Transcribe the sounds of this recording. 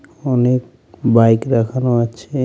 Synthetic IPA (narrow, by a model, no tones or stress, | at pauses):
ɔnek̚ | bajkɾakʰanoat͡ʃʰe